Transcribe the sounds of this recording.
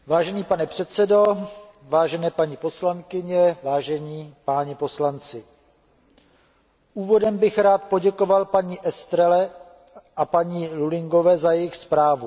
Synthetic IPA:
vaːʒɛɲiːpanɛpr̝̥ɛt̪t͡sɛdo̞ | vaːʒɛnɛːpaɲipo̞slaŋkɪɲɛvaːʒɛɲiːpaːɲɛpo̞slant͡sɪ | ʔuːvo̞dɛmbɪxɾaːt̪po̞ɟɛko̞valpaɲiːʔɛst̪ɾɛlɛ | ʔapaɲilulɪŋɡo̞vɛːzajɛjɪxspɾaːvu

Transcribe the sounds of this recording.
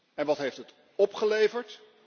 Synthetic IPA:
ɛnʋɑtɦejftət | ɔpχəlejvəɹt

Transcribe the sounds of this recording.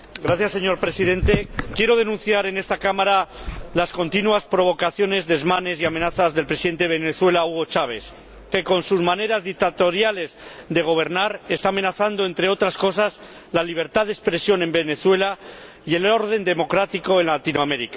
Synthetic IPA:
ɡɾaθjasːe̞ɲo̞ɾpɾe̞siðe̞nt̪e̞kje̞ɾo̞ð̞enũn̟θjaɾe̞ne̞st̪akamaɾalasko̞nt̪inuaspɾo̞βo̞kaθjo̞ne̞zðezmane̞siamenaθazðe̞lpɾesiðe̞nt̪e̞βe̞neθwe̞lauɣo̞t͡ʃaβ̞e̞s | ke̞ko̞nsuzmane̞ɾazðik̚t̪at̪o̞ɾjale̞zd̪e̞ɣ̞o̞β̞e̞ɾnaɾest̪ame̞naθand̪o̞e̞nt̪ɾe̞o̞t̪ɾasko̞s̬az | laliβ̞e̞ɾt̪aðe̞spɾesjo̞nẽ̞mbe̞ne̞θwe̞la | ie̞lo̞ɾð̞e̞nd̪e̞mo̞kɾat̪iko̞enlat̪inoameɾika

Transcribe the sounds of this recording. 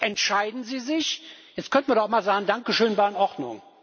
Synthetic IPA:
ʔɛntʃaɪdn̩ziːzɪçjɛt͡stkœntn̩viɐdɔχmaːlzaːɡŋ̩daŋkəʃøːnbaɪnʔɔʁdnʊ̰ŋ

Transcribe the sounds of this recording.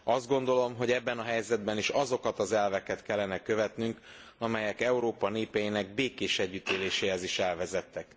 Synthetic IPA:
ɒzd̪̚ɡo̞nd̪o̞lo̞mɦo̞ɟɛbːɛnɒɦɛjzɛd̪bɛniʃɒzo̞kɒt̪ɒzɛlvɛkɛt̪kɛlːɛnɛkøvɛt̪nyŋk | ɒmɛjɛkɛuɾoːpɒneːpɛjinɛɡ̚beːkeːʃɛɟːyt̪eːleːʃeːɦɛziʃɛlvɛzɛt̪ːɛk

